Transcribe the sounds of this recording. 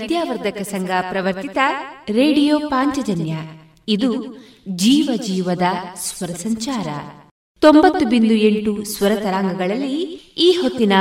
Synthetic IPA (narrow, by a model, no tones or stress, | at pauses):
d̪jaːʋɐɾd̪ʱɐkɐsɐŋɡapɾɐʋɐɾt̪it̪ɐɾeːɖijoːpaːɲt͡ʃɐd͡ʒɐnjɐ | id̪u | d͡ʒiːʋɐd͡ʒiːʋɐd̪ɐsʋɐɾɐsɐɲt͡ʃaːɾɐ̰ | t̪ombɐt̪ːubind̪ue̞ɳʈusʋɐɾɐt̪ɐɾaːŋɡɐɡɐɭɐlːiiːɦot̪ːinɐ